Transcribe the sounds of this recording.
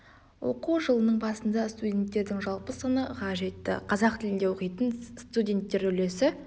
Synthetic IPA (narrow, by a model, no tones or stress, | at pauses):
wo̞̰quʒəlˠənəɴbɑsənd̪ɑst̪udʲe̞nt̪ːe̞ɾd̪ɪŋʒɑlˠpəsənəqʰɑʒe̞t̪ːɪ̰qʰɑzɑqt̪ʰɪlɪnd̪e̞wo̞qijt̪ənst̪udʲe̞nt̪ːe̞ɾɵle̞sɪ